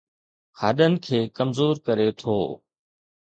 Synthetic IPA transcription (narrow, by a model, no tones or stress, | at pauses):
xaːɗənɪ̆kʰeːkəmzoːɾkəɾet̪ʰoː